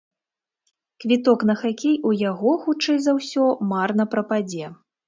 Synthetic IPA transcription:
kvʲit̪ɔkn̪ɐxakʲejujaɣɔxut͡ʂɛjzawsʲɔmarnɐpɾɐpad͡zʲɛ

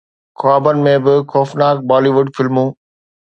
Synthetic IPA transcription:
xaːbənɪ̆mẽbɪxɔːfnaːk̚baːliːʋʊɖfɪlmũː

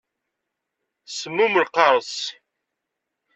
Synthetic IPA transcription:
səmuməlqɑɾˤəs

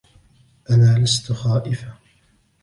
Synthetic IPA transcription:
ʔanaːlast̪ʊxaːʔɪfa

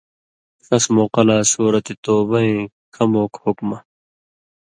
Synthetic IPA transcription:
sɐsmoːqɐlaːsuːɾɐt̪it̪oːbɐɦĩː | kʰɐmoːkhukmɐ

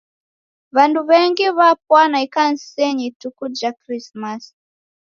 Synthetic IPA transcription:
βanduβɛŋɡiβap̚wanaikan̩sɛɲitukud͡ʒakɾismas

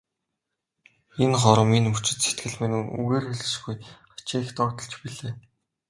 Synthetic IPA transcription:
enχɔɾə̆minmut͡ɕɪ̆t̪set̪ɡɘ̆ɮmĕnunṵɣeːrxɵɮɘ̆ʃɡujɢḁt͡ɕiːxt̪ɔkt̪ə̆ɮt͡ɕpiɮeː

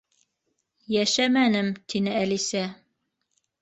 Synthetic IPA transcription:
jæʃæmænɘmt̪ʰinɘælisæ

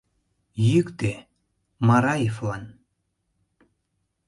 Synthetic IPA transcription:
jikt̪e | maɾajiflan

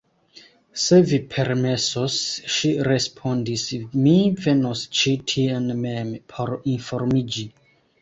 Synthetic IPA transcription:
sevipʰɛɾmesɔsʃiɾɛspʰɔ̃ndismivenost͡ʃitʰiɛ̃nmɛmpʰoɾĩnfɔɾmid͡ʒi

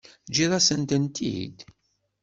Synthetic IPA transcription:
d͡ʒiðˤɑsənt̪ənt̪ʰḭd̪

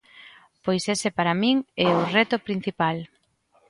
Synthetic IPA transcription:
pojsesepaɾamĩŋɛʊrɛt̪ʊpɾin̟θipal

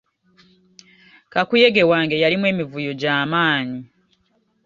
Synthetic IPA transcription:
kakuje̞ɡe̞waːŋɡe̞jalimwe̞ːmivujoɟaːmaːɲi

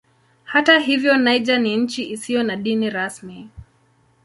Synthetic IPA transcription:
hataɦivjɔnaiʄaniɲ̩t͡ʃiʔisijɔnaɗiniɾasmi

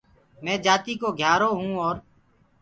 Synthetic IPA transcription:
mɛ̃ːd͡ʒaːt̪iːkoːɡʱjaːɾoːɦũːɔːɾ

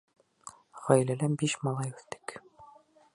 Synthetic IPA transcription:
ʁɒjlælæmbiʃmɑlˠɑjʉθt̪ɘ̥k

